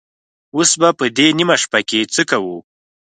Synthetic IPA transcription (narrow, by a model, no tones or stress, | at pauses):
osbapəd̪enimaʂpaket͡səkawu